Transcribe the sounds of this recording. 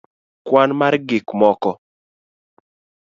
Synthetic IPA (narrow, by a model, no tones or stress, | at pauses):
kwanmarɡɪkmɔkɔ